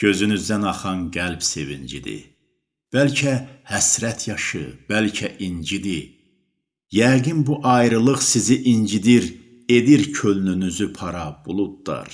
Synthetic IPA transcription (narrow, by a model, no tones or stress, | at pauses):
ɟ̥ø̞zynyzd̪ænɑχɑnɡælbse̞vind͡ʒḭd̪ḭ | b̥ælcʰæhæsɾæt̪ʰjɑʃɯ̰b̥ælcʰæʔind͡ʒid̪i | jæɡinbuʔɑjɾɯlˠɯχsiziʔind͡ʒid̪iɾ | e̞d̪iɾcʰølnynyzypʰɑɾɑb̥ulˠud̪̚ːɑ̰ɾ